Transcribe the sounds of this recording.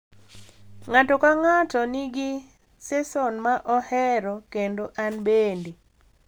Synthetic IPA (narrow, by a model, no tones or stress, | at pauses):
ŋatɔkaŋatɔniɡɪ | sɛsɔnmaʔɔhɛɾɔkendoʔanbende